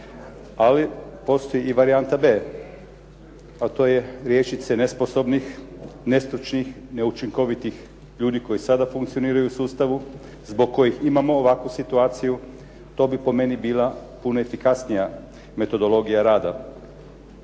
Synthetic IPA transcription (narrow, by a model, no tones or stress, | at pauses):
alipo̞st̪o̞jiːʋaɾiant̪abe̞ː | at̪o̞ːje̞ɾjet͡ʃit̪senespo̞so̞bnixnest̪ɾut͡ʃnixne̞ut͡ʃiŋko̞ʋit̪ix | ʎuːd̪iko̞jisad̪afuŋkt̪sio̞niːɾajusuːst̪aʋu | zboɡ̚kːo̞jiximamo̞ːʋakʋusit̪uaːt̪siju | t̪o̞bipo̞me̞nibiːlapunoefikasnija | me̞t̪o̞d̪o̞lo̞ɡijaɾaːd̪a